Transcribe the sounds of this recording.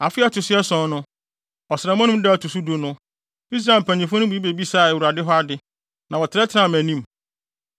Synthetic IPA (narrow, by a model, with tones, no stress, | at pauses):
a˨fɪ˦a˦˨tʰʊ˨sɪ˦ɛ˦sɔ̃˨˦nʊ̃˦ | ɔ˨sɪ˨ɾa˨mã˦ñʊ̃˦dɛ˦æ˨tʰu˨su˦do˦nʊ̃˦ | i˦s̬ɾa˦ɪ˨m˨pʰæ̃˨ɲĩ˨fʊ˦nʊ̃˦bi˨˦i˦be˨bi˦sa˦˨ɛ˨wu˨ɾa˨dɪ˦ɦɔ˦a˦dɪ˨˦ | nã˨wɔ˨tʰɪ˨ɾɛ˦tʰɪ˦ã˦˨mæ̃˨nĩ˦m